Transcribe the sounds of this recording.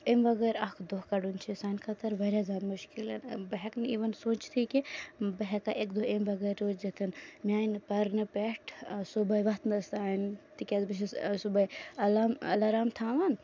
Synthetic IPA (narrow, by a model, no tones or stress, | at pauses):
emʋɐɡɐɾɐkʰd̪oɦkɐɖunt͡ʃʰisaːnʲkʰɐt̪ɐɾʋɐɾʲjazʲjaːd̪muʃkilɐnbɐɦɛkniːʋɐnsoːt͡ʃt̪ʰikibɐɦɛkaʔekd̪uemʋɐɡɐɾʲoːt͡ʃd͡ʒɐt̪ʰɐnmiaːnpɐɾnɨpeʈʰsubɐjʋɐt̪nɐst̪aːnt̪ikʲazbit͡ʃ̬ʰisubɐjɐlamɐ̰lɐɾaːmt̪ʰaːʋɐn